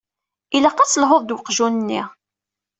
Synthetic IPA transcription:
ilæqːat͡sːlɦoðˤd̪wəqʒunənːḭʁ

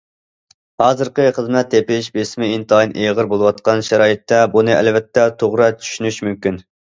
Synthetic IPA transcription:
hɑːzɨɾqəχəzmɛt̪ʰːepɪʃbesmɪint̪ʰɑjinʔeʁəɾbolˠɨwɑt̪̚qɑnʃɛɾɑːjit̪ːɛbunɨʔæ̰lvɛt̪ʰːɛt̪ʰoʁɾɑt͡ʃʰy̥ʃynyʃmymkʲyn

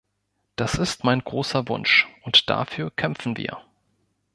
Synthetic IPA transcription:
d̥asɪstmaɪnɡʁoːsɐvʊ̰nʃʔʊntd̥a̰ːfyːɐkʰɛmfn̩vḭːɐ̰

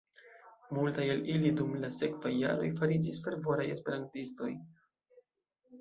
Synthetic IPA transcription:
multajalilidumlase̞kvajːa̰ɾo̞̰jfaɾid͡ʒisfe̞ɾvo̞ɾaje̞spe̞ɾantisto̞j

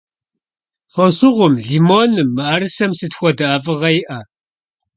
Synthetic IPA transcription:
fʷɔsʊʁʷʊmɮiːmoːnɨmːɨʔɐɾɨsɐmsɨtxʷɔdɐaːvɨʁɐjɪʔɐ

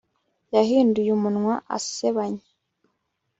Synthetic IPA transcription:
jaɦiːndujumunŋwaʔa̰seβaɲe

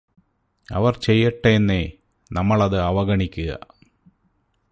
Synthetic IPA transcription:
ɐ̰ʋɐrt͡ɕe̞jːɐʈːɐenːe | nɐmːɐɭɐðɨɐʋɐɣɐɳikʲːuɣɐ̰

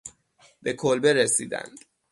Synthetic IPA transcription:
be̞kʰolbe̞ɾesiːd̪æ̰nd̪̥

